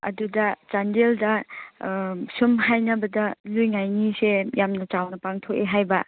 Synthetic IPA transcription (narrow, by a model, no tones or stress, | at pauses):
ɐ̰dudɐt͡ʃandeldɐ | sumɦajnɐbɐdɐlujŋajnisejamnɐt͡ʃawnɐpaŋtʰokeɦajbɐ